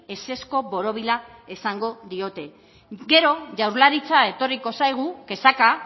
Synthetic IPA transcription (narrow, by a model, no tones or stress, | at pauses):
e̞se̞sko̞βo̞ɾo̞β̞ilaesaŋɡo̞ðio̞t̪e̞ | ɡe̞ɾo̞ʝawɾlaɾit͡sae̞t̪o̞riko̞sajɣ̞uke̞saka